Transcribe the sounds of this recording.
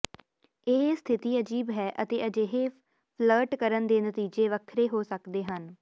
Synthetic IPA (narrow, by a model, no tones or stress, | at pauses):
eːɦeːst̪ʰɪt̪iːəd͡ʒiːbɦɛːʔət̪eːəd͡ʒeːɦeː | pʰləːʈkəɾənd̪eːnət̪iːd͡ʒeːʋəkʰɾeːɦoːsəkd̪eːɦən